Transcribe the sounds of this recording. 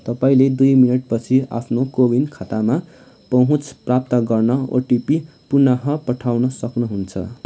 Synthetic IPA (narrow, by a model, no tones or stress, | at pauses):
t̪ʌpaĩled̪ujminʌʈpʌt͡sʰia̰pʰnokobinkʰat̪ama | pʌɦũt͡sʰprap̚t̪ʌɡʌrnʌo̰ʈipi | punaɦʌpʌʈʰawnʌsʌknuɦunt͡sʰʌ̰